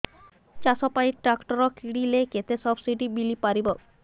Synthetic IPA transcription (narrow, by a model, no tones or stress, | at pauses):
t͡ɕasɔpajiʈɾakʈoɾokiɽileket̪esɔbsiɖibilipaɾibo